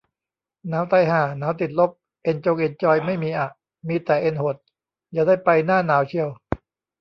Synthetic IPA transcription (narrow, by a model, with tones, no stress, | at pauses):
naː˦˥wt̪a˧jɦaː˨˩naː˩˦˥wt̪i˨˩t̪̚lo˦˥p̚ | ʔe˧nt͡ɕo˧ŋʔe˧nt͡ɕɔː˧jma˥˩jmiː˧ʔa˨˩ | miː˧t̪ɛː˨˩ʔe˧nho˨˩t̪̚ | jaː˨˩daː˥˩jpa˧jnaː˥˩naː˩˦wt͡ɕʰi˧ə˧w